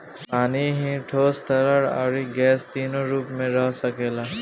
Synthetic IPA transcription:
paːniɦĩʈʰoːst̪əɾəɾa̰ːɾiɡɛːst̪iːnoɾuːpmẽɾəɦsəkeːlaː

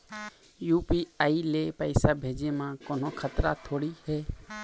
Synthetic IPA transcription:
juːpiːaːiːleːpəɪsaːbʱeːd͡ʒeːmãːkoːnoːkʰət̪ɾat̪ʰoːɽiːhɛː

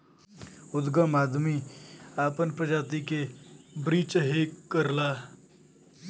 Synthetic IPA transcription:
ud̪ɡəmad̪miːapənpɾəd͡ʒat̪ikebɾiːt͡ʃɦekəɾla

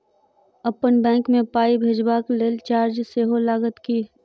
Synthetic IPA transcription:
əpːənbɛ̃ːŋkmẽpaːibʱeːd͡ʒbaːkleːlt͡ʃaːɾd͡ʒseːɦolaːɡət̪ki

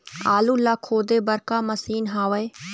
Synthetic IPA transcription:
aːluːlaːkʰoːd̪eːbəɾkaːməsiːnɦaːʋeː

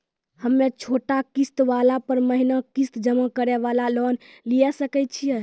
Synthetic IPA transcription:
həmːet͡ʃʰoʈakist̪ʋalapəɾməɦinakist̪d͡ʒəmakəɾɛʋalalɔnlijɛsəkɛt͡ʃʰijɛ

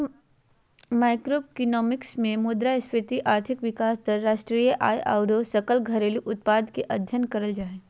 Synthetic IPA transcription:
maːɪkɾokinɔːmɪksmẽmoːd̪ɾaɪspɾɪt̪iʔaːɾt̪ʰɪkʋɪkaːst̪əɾːaːʃʈɾiːjəʔa̰ːjʔa̰ːʊɾosɐkəlɡʱɐɾeːliʔʊt̪̚paːd̪keʔɐd̪ʱjənkɐɾəld͡ʒaːeː

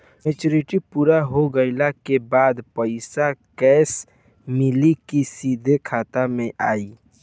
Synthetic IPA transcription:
met͡ʃoːɾɪʈipuːɾaɦoɡəɪlakebaːd̪pəɪsakɛːs | mɪlikisiːd̪ʱekʰaːt̪amẽʔaːi

